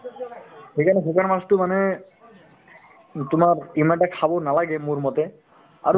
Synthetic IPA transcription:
xejkʰanɛsekaɹmastʊmanɛ | t̪ʊmaɹimaɳʈakʰabɔnalaɡɛmuɹmɔt̪ɛ | a̰ɾ

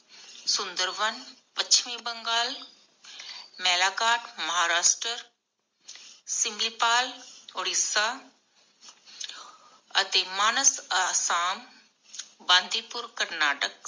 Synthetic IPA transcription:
sʊ̃nd̪əɾʋənpɐt͡ʃʰmĩbɐ̃ŋɡaːl | mɛːlaːkaːʈmɐɦaːɾaːsʈəɾ | sɪ̃mbliːpaːloɽisa | ɐt̪eːmaːnəsasaːm | bãːnd̪ʱiːpʊɾkɐɾnaːʈək̚

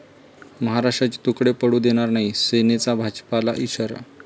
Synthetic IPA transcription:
məɦaɾaʂʈɾat͡ɕi̥t̪ukɽepəɽuːd̪eɽ̃aɾnaɦisenet͡sabʱad͡ʑpala̰ʔiɕəɾa̰

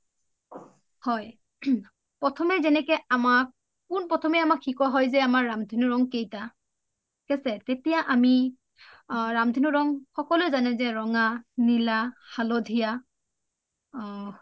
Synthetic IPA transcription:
hɔj | pɹɔtʰɔmɛzɛnɛkɛamak̚ | kunpɹɔtʰɔmɛamakxikɔɦɔjzɛamaɹːamdʱinʊɹɔŋkejta | kɛsɛtetijaʔami | ɹamdʱinuɹɔŋxɔkɔlʊjzanɛzɛɹɔŋanilaxalodʱija

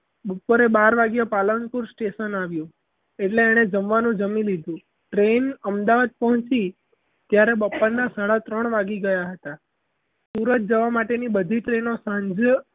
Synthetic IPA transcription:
bəpːuɾebaɾʋaɡjapalənpuɾsʈeʃənaʋjũ | eʈleːɽ̃ed͡ʒəmʋanũd͡ʒəmilid̪ʱũ | ʈɾenəmd̪aʋad̪̚pɔɦə̃t͡ʃi | t̪jaɾebəpːənːasaɭat̪ɾəɳʋaɡiɡəjaɦət̪a | suɾət̪̚d͡ʒəʋamaʈenibəd̪ʱiʈɾenosãɲd͡ʒ

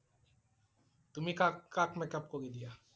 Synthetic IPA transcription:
t̪ʊmikakakmekɐp̚koɡed̪ija

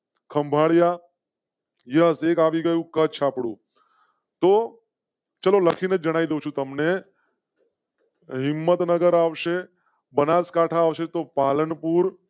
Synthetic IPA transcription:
kʰɐmbʱaːɽja | jɐɦseːkaːʋiɡəjukət͡ʃʰapɽṵː | t̪o | t͡ʃɐlolɐkʰinəd͡ʒɐɽ̃aːid̪ewt͡ʃʰut̪ɐmne | ɦɪmːət̪nəɡəɾaːʋʃe | bɐnaːskaːʈʰaːʋʃet̪opaːlənpuɾ

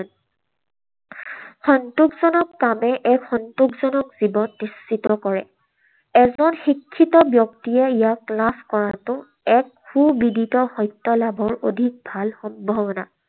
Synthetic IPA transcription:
n | xɔntukzɔnɔkːamɛʔɛkxɔntukzɔnɔkz̥ibɔnːistitɔkɔɹɛ | ɛzɔnxikʰːitɔbjɔktiɛijaklaskɔɹatʊ | ɛk̚ | xubidʱitɔxɔjtːɔlabʱɔɹodʱik̚bʱalxɔmbʱɔbɔna̰

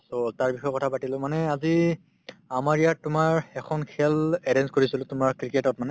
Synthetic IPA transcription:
sotaɹbixɔjkɔtʰapatilʊ̃manɛazi | amaɹijatːʊmaɹɛkʰɔnkʰɛlɛɾɛnskoɹisilʊ̃tʊmaɹkɹiketɔt̚manɛ

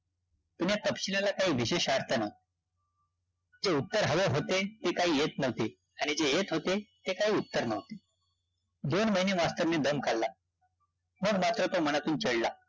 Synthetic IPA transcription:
t̪unjat̪əpɕilalakaɦiːʋiɕeɕaɾt̪ʰəna | d͡zeut̪ːəɾɦəʋəɦot̪et̪ekaɦiːjet̪nəʋt̪e | aɽ̃id͡zejet̪ɦot̪et̪ekaɦiːut̪ːəɾnəʋt̪e̥ | d̪onməɦinemast̪əɾmeːd̪əmkalːa | məɡmat̪ɾət̪om̤əɽ̃at̪uːnt͡ɕəɽla

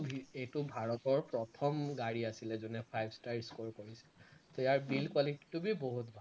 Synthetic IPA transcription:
bʱietubʱaɹɔtɔɹpɹɔtʰɔmɡaɹiasilɛzɔnɛpʰajbʱstajskoɹkoɹisɛ̥t̪ɔjaɹbilkwaliti̥tːubiboɦut̚bʱa

